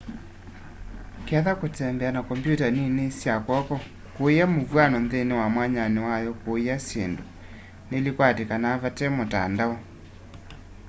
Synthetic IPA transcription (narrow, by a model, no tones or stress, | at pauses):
keaðakotɛmbɛanakɔmpjutaninesjakwɔkɔ | kojamovwanɔnðenewamwaɲanewajɔkojasendo | nelikwatekanaːvatɛmota̰ndaɔ